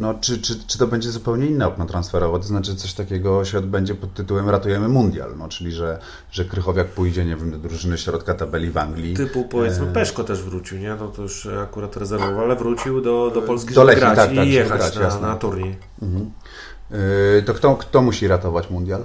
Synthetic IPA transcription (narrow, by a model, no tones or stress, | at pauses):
nɔt͡ʂɘt͡ʂɘt͡ʂɘ̥t̪ɔbɛɲd͡ʑɛzupɛwɲɛinːaɔknɔt̪ɾansfɛɾɔvat̪ɔznat͡ʂɘʐɛt̪sɔɕt̪akʲeɡɔɕɛɔd̪̚bɛɲd͡ʑɛpɔt̪ːɘt̪uwɛmɾat̪ujɛmɘmund̪ja̰lnɔt͡ʂɘlʲiʐɛ | ʐɛkɾɘxɔvjak̚pujd͡ʑɛɲevʲjɛmd̪ɔd̪ɾuʐɘnɘɕɾɔt̪kat̪abɛlʲiva̰ŋɡlʲit̪ɘpupɔvjɛmɘpɛʂkɔt̪ɛʐvɾut͡ɕiwɲɛnɔt̪ɔjuʂakuɾat̪ɾɛzɛɾvɔvaalɛvɾut͡ɕiwd̪ɔd̪ɔpɔlskʲid̪ɔlɛkɡɾait̪ak̪ːakjɛxaɡɾt͡ɕ̪jasnat̪uɾɲi | m̩hmm̩ | t̪ɔkt̪ɔkt̪ɔmuɕiɾat̪ɔvat͡ɕmund̪jal